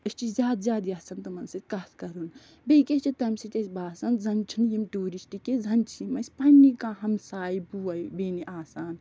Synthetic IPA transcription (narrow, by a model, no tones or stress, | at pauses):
ɐst͡ʃʰizjaːd̪zʲjaːd̪iasɐnt̪ɐmɐnsɐt̪ʲkaːt̪ʰkɐɾun | bejkʲest͡ʃit̪ɐmsit̪ɐsʲbaːsɐnzɐnt͡ʃʰinjimʈuːɾisʈikezʱɐnt͡ʃʰimɐsʲpɐnːikãːɦɐmsaːibuːɐbeːniʔaːsaːn